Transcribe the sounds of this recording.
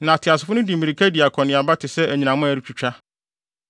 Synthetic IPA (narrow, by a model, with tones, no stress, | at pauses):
nã˨tʰɪ˨a˨sɪ˨fʊ˦nʊ̃˦di˨mĩ˨ɾi˨kʰæ˦di˨a˨kʰɔ̃˨nɪ̃˨a˨ba˦tʰɪ˨sɛ˦æ˨ɲĩ˨nã˨mʊ̃˦æ˨ɾi˦t͡ɕʰᶣu˨t͡ɕᶣa˦